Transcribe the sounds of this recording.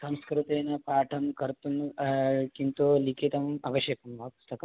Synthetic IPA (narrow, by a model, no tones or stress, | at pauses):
sɐmskɾut̪eːnɐpaːʈʰɐmkɐɾt̪un | kint̪ulikʰit̪ɐmɐʋɐɕjɐkɐmːɐɦɐpu̥st̪ɐkɐ